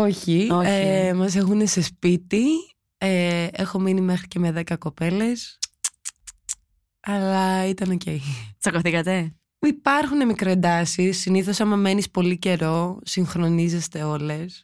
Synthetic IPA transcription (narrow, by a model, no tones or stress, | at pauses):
o̞çioemɐs̬e̞xune̞se̞spit̪i | eexo̞minime̞xɾiceme̞ðe̞kɐko̞pe̞le̞s | ɐlɐit̪ɐno̞ce̞jt͡sɐkoθikɐt̪e̞ | ipɐɾxune̞mikɾoed̪ɐsisːiniθo̞sɐmɐme̞nispo̞lice̞ɾo̞siŋxɾo̞nize̞st̪e̞o̞le̞s